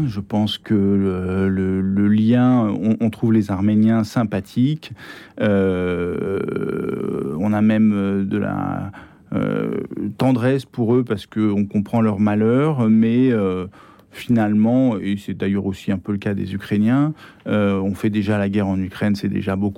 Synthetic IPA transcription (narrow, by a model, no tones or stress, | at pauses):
ʒəpɑ̃skəølələljɛ̃ɔ̃ʔɔ̃t̪χuvlezaʁmenjɛ̃sɛ̃pat̪ʰikø | ɔ̃namɛmød̪əla̰ | ø̰t̪ɑ̃d̪ʁɛspuʁøpaʁsə̥kəɔ̃kɔ̃pχɑ̃lœʁmalœʁmɛø | finalmɑ̃esɛd̪ajœʁosiɛ̃pøləkad̪ḛzykχenjɛ̃ | øɔ̃fɛd̪eʒalaɡʲɛʁɑ̃nykχɛnsɛd̪ḛʒaboku